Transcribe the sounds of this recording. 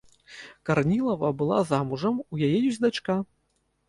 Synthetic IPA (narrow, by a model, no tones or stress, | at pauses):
karnʲilˠɐvɐbɨlˠa̰zamuʐɐmujajɛjuzʲd̪at͡ʂka